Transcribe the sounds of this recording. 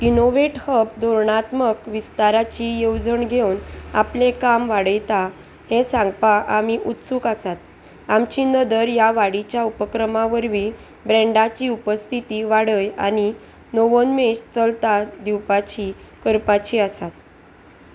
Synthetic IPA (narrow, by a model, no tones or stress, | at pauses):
inoʋeʈhəbd̪oɾɳat̪məkʋist̪aɾat͡ɕijowd͡zəɳɡʱewna̰plẽkamʋaɽəjt̪a | hẽsãŋɡpaʔamiʔut̪suːkasat̪̚ | amt͡ɕiːnəd̪əɾjaʋaɽit͡ɕjaupəkɾəmaʋəɾʋiː | bɾɛɳɖat͡ɕiːupəst̪ʰit̪iʋaɽəja̰ni | noʋənmeɕt͡səlt̪ad̪iwpat͡ɕi | kəɾpat͡ɕiːəsat̪